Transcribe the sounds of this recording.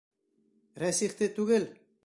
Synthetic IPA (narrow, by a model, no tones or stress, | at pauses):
ɾɛsiχt̪et̪uɣel